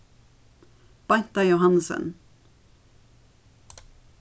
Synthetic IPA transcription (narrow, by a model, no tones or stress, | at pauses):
b̥aɲt̪ajɔɦansə̰n